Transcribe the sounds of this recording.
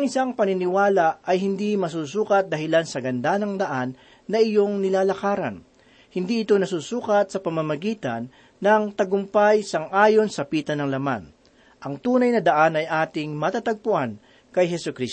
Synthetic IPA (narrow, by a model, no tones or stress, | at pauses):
ɐŋʔɪsaŋpɐnɪnɪwaːlaʔʔɐjɦɪnd̪imɐs̬uːsuːkɐt̪̚d̪ɐɦɪlansɐɡɐnd̪anɐŋd̪ɐʔanː | ɐʔɪjo̞ŋnɪlaːlɐkaːɾɐ̰n | hɪnd̪iʔɪt̪onɐsuːsuːkɐt̪̚sɐpɐmamɐɡiːt̪ɐ̰nː | ɐŋt̪ɐɡʊmpajsɐŋʔaːjo̞nsɐpiːt̪ɐnɐŋlɐma̰n | ʔɐŋt̪uːnɐjnɐd̪ɐʔanɐjʔaːt̪ɪŋmɐt̪aːt̪ɐɡ̚pʊʔan | kɐjɦɛsʊkɾis